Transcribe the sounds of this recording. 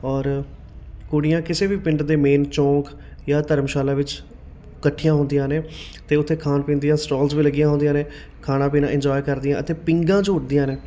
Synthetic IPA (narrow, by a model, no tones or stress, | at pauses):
ɔːɾ | kʊɽɪjãːkɪseːbiːpɪ̃ɳʈd̪eːmeːnt͡ʃɔ̃ːk | jaːt̪əɾmʃaːlãːʋɪt͡ʃ | kəʈʰːɪjãːɦʊ̃nd̪ɪjãːneː | t̪eːʊt̪ʰːeːkʰaːnpiːnd̪ijãːsʈoːlzʋiːləɡɪjãːɦõnd̪ɪãːneː | kʰaːnãːp̬iːnãːʔɪɲd͡ʒɔːjkəɾd̪ɪjãːʔə̰t̪eːpɪ̃ŋɡãːd͡ʒoːʈ̚d̪ɪjãːneː